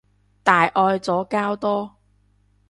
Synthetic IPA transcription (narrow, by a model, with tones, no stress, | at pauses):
t̪aː˨jʔɔː˧jt͡sɔː˨˥kaː˥wt̪ɔː˥